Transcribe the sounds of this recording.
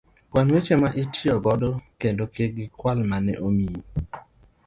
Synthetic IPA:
kwanwet͡ʃemaʔitʰiɔɡɔdokendokeɡɪkwalmanɛ̰ʔomi

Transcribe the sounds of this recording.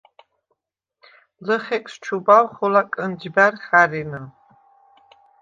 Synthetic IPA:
lɨχekʷʼsʈ͡ʂʰubawχolakʼɨnd͡ʒbarχarinɨ

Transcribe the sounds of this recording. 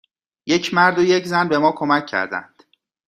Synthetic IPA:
je̞cʰmæɾd̪ojeczænbe̞mɒːkʰo̞mæcʰːæ̰ɾd̪æ̰nd̪̥

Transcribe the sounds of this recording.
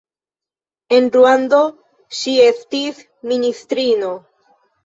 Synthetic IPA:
e̞nɾuando̞ | ʃie̞stis | ministɾino̞

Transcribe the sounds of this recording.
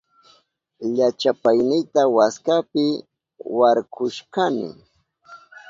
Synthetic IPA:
ʎat͡ʃapajnɪjt̪awaskapɪ | waɾkʊʃkanɪ̰

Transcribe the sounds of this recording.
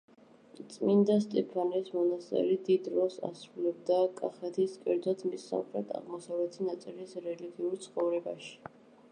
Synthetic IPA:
t̪sʼmind̪ast̪ʼɛpʰanismɔnast̪ʼɛ̰lid̪id̪ɾɔsa̰sɾulɛb̚d̪akʼaχɛt̪ʰiskʼɛ̰ɾd̪zɔt̪ʰmisːa̰mχɾɛt̪ʰa̰ʁmɔsavlɛt̪ʰinat̪sʼilisɾɛliɡiuɾt̪sʰχɔvɾɛbaʃi̥

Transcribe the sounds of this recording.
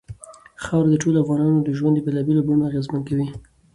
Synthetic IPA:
xɑwɾd̪əʈolafɣɑnɑnod̪əʒwand̪əbelɑbelobumoaɣezmənkawi

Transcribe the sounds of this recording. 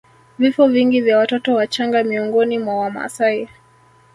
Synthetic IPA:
vifɔviŋɡivjawatɔtɔwat͡ʃaŋɡamiɔŋɡɔnimwawama̰sai

